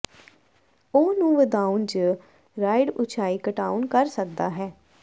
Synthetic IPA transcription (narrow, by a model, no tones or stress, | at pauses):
oːnũːʋəd̪aːund͡ʒ | ɾaːɪɖʊt͡ʃʰaːiːkəʈaːunkəɾsəkd̪aːɦɛː